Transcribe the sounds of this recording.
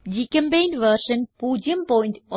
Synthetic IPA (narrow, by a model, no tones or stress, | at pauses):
d͡ʒikẽmpeːnʋəɾʃə̃npuːd͡ʒjəmpɔːɪ̃ɳʈ